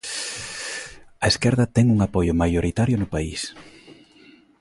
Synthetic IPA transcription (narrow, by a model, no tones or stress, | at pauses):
ɐeskɛɾðɐt̪ɛŋuŋapɔjʊmajoɾit̪aɾjʊnʊpaḭs